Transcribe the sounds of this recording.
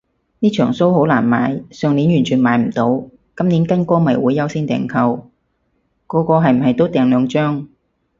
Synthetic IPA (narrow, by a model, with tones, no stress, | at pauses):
niː˥t͡ʃʰœː˨˩ŋso˥who˨˥wlaː˨˩nma̰ː˨˧jsœː˨ŋni˨˥njyː˨˩nt͡ʃʰyː˨˩nmaː˨˥jm̩˨˩t̪o˨˧˥w | kɐ˥mniː˨˥nkɐ˥nkɔː˥mɐ˨˩jwuː˨˥jɐ˨˧wsiː˥nt̪ɛ̰ː˨˩ŋkʰɐ˧w | kɔː˧kɔː˧ɦɐ˨jm̩˨˩ɦɐ˨jt̪o˥wt̪ɛː˨ŋlœː˨˧ŋt͡ʃœː˥ŋ